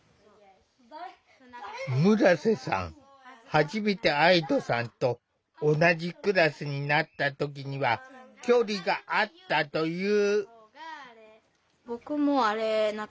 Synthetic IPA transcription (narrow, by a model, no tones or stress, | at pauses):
mɯ̟ɾase̞sã̰ŋ̃ | haʑime̞t̪e̞aid̪o̞sãnt̪o̞ː | naʑikɯ̟ɾasɨɲ̟inat̪ːat̪o̞k̬ʲiɲ̟iβakʲo̞ːɾʲiɡaʔat̪ːat̪o̞jɯː | bo̞kɯ̟moaɾen